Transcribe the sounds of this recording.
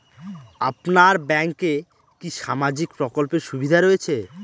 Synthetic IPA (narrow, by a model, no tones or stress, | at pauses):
apnaɾbɛŋke | kiʃamad͡ʑikpɾokolpeɾʃubʱid̪ʱaɾoet͡ɕʰe